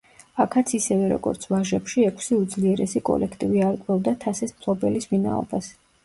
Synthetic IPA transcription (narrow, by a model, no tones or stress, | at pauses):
akʰat̪sʰisɛvɛɾɔ̰ɡɔ̰ɾt̪sʰvaʒɛpʃiɛkʰsiud̪zliɛɾɛsikʼɔ̰lʔɛkʰt̪ʼiviaɾkʼɾɔvd̪at̪ʰasɛsmtʰlɔbɛlismina̰ɔ̰bas